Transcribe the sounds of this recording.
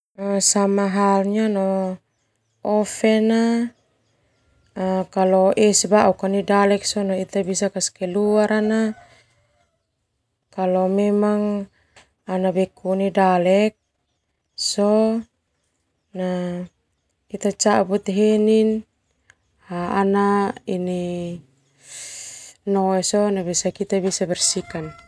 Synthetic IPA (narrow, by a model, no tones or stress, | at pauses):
asamaɦalɲanɔ | ɔfɛna | kalɔʔɛsbaʔukanidalɛk̚sɔnɔit̪abisakaskɛluaɾʔana | kalɔmɛmaŋ | anabɛkunidalɛk̚ | sɔ | na | kit̪at͡ʃaʔbut̪ɦenin | aanaini | nɔɛsɔnabisakit̪abisabɛrsikan